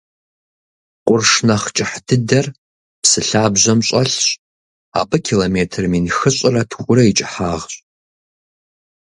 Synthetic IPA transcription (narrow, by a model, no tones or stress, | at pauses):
qʷʼʊrʂnɐχt͡ʃʼɪħdʰɨdɐr | psɨɬaːbʑʷɐmɕʼɐɬɕʼ | a̰ːbɐkʰilomeːtʰrminxɨɕʼɪrɐtʰxʷʼʊɾɐit͡ʃʼɪħaːʁɕʼ